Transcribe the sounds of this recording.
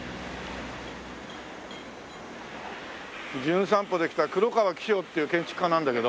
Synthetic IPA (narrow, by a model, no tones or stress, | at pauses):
d͡ʑɨ̃ɰ̃s̬ãmpo̞d̪ekʲi̥t̪akɯ̟ɾokaβakʲi̥oːt̪ːe̞jɯ̟ːkẽɲ̟t͡ɕi̥kɯ̟̥kːãnãnd̪ake̞d̪o